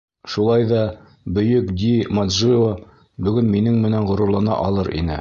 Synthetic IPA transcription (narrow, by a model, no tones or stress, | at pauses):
ʃulˠɑjðɑ | bɵ̆jɵkd̪ʲimad̪ʒio | bɵ̆ɡɵnminɘŋmɘ̆nænʁŏɾŏɾlˠɑnɑ̰ʔɒlˠɤɾʔḭnɘ̰